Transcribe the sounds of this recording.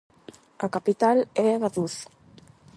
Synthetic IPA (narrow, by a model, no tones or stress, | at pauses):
akapit̪aleðaðuθ